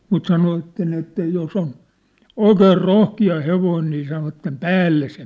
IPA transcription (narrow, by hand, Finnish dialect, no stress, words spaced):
mut sɑnoʋɑtːen etːæ jos on oikeːr rohkiɑ heʋoin niː sɑnoʋɑtːem pæːlːe se